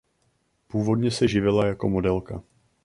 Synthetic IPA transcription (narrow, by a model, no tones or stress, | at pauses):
puːvo̞dɲɛsɛʒɪvɪlajako̞mo̞dɛlka